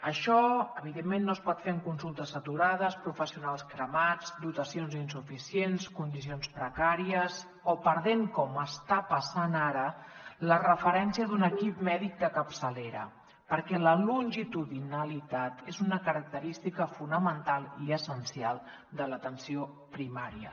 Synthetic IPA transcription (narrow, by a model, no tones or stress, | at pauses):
əʃɔəβ̞iðemːenːospɔt̪feəŋkunsulˠt̪əsət̪uɾað̞əspɾufəsiunalˠskɾəmad͡zd̪ut̪əsionzinsufisienskund̪is̬ionspɾəkaɾiəs | opəɾð̞eŋkɔməst̪apəsanaɾələrəfəɾɛnsiəðunəkipmɛðik̚d̪əkəpsəleɾə̰ | pəɾkɛləlunʲʒit̪uðinəlit̪at̪ezunəkəɾək̚t̪əɾist̪ikəfunəmənt̪alˠiəsənsialˠ | d̪ələt̪ənsio | pɾimaɾiə